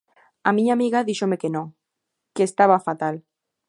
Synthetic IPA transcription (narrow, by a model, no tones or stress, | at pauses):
amĩɲamiɣaðiʃomekenõ | keːst̪aβ̞afat̪al